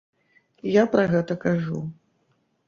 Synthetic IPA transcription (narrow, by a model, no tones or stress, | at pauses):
japɾɐɣɛt̪ɐkaʐṵ